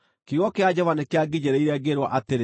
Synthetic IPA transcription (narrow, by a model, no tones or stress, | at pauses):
kiɣɔkead͡ʑɔvanekeaɡid͡ʑeɾɛiɾɛɡeɾwaʔateɾe